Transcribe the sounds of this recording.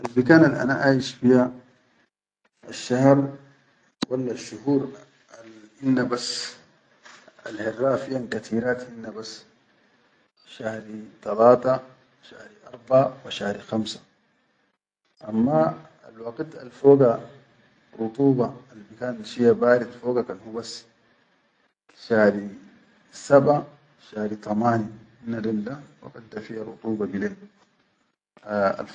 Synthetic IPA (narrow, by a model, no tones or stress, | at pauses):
ʔalbikaːnalʔa̰na̰ʔaːjiʃfiha | aʃːahɾˤ | walːaʃːuhuːɾ | hinːabas | a̰lhirːaːfijankat̪ʰiːɾaːt̪hinːabas | ʃahɾit̪ˤɑlaːt̪ɑwʃahɾiʔɑɾˤbaʕawaʃahɾixamsḁ | ʔamːa | a̰lwɑɡt̪a̰lfoːɡa | ɾˤut̪ˤuːbɑlbikaːnʃijabaːɾid̪foːɡakanhubasː | ʃaːhɾi | saba | ʃahɾit̪ˤɑmaːni | inːadild̪awa̰ɡat̪d̪ːafihaɾˤṵt̪ˤuːbɑbileːn | a̰l